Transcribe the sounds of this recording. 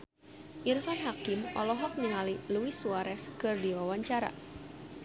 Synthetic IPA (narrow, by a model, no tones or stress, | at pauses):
ʔirfanɦakimʔɔ̰lɔɦɔk̚ɲəŋaliluisuaɾɛskɨrdiwawaɲt͡ʃaɾa̰